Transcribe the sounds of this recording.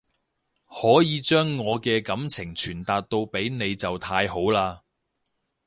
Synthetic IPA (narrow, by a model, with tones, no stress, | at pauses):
hɔː˨˥jiː˨˧t͡ʃœː˥ŋːɔː˨˧kɛː˧kɐ˨˥mt͡sʰɪ˨˩ŋt͡ʃʰyː˨˩nt̪aː˨t̚t̪o˧wpe˨˥jne˨˧jt͡sɐ˨wt̪ʰaː˧jho˨˥wlaː˧